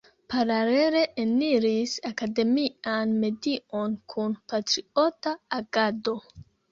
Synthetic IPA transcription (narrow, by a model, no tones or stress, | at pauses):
paɾaleɾe̞ʔeniɾisakade̞mianme̞dionkʰunpatɾio̞taːɡado̞